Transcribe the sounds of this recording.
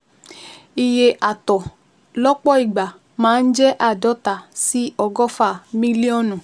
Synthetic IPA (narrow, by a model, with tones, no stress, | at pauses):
i˧je˧ʔa˨tɔ˨ | lɔ˦k͡pɔ˦i˨ɡ͡ba˨ | mãː˨˦n̩˦d͡ʒɛ˦ʔa˦˨dɔ˨˦ta˨si˦ɔ˧ɡɔ˦fa˦˨mĩ˦li˦ɔ˦˨nũ˨